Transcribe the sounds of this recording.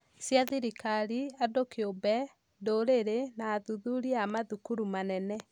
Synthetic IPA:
sjaðiɾikaɾiadokeobɛ | doɾeɾenaːðuðuɾiamaðukuɾumanɛnɛ

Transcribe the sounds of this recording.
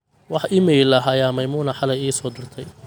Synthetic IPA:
wɑħɪmiːlɐɦɐjaːmɐjmuːnɐħɑlɛjiːsɔːd̪ʊrt̪ʰɛj

